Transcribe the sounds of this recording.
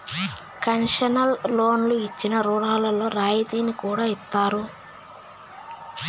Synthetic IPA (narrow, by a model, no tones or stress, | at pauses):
kɐnʂɐnɐllo̞ːnluit͡ʃːinɐɾuːɽaːlɐlo̞ːɾaːjid̪iːnikuːɽaːit̪ːaːɾu